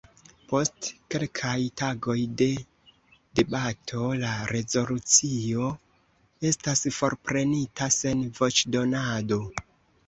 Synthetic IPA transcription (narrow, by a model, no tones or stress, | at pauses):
po̞stke̞lkʰajtaɡo̞jde̞ | de̞batʰo̞laɾe̞zo̞lut͡sio̞ | e̞stasfo̞ɾpɾe̞nitase̞nvo̞t͡ʃdo̞nado̞